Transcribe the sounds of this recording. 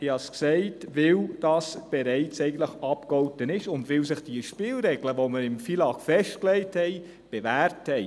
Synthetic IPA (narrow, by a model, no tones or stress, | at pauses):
iɑsksɛɪtʋɪld̥ɑsb̥eɾɛɪt͡sɛɪɡən̩tləχɑpkɔltənɪʃʊndʋɪlsɪχd̥iəʃpɪːlɾɛɡləʋoməɾɪmfilɑkfɛʃtklɛɪthɛɪ | b̥evæːɾthɛɪ